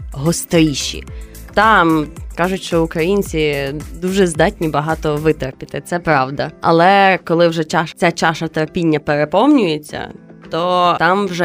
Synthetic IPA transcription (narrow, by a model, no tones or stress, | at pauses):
ɦɔst̪ɾiʃḭt̪ɑmkɑʒʊtʲʃt͡ʃɔʊkɾɐjinʲt͡sʲid̪uʒɛzd̪ɑtʲnʲibɐɦɑt̪ɔʋɪt̪erpʲit̪ɪt̪sɛpɾɑwd̪ɐɐ̰lˠɛkɔlˠɪwʒɛt͡ʃɑʃt͡sʲat͡ʃɑʃɐt̪eɾpʲinʲːɐpeɾepɔmnʲʊjet͡sʲːɐ̰t̪ɔt̪ɑmwʒɛ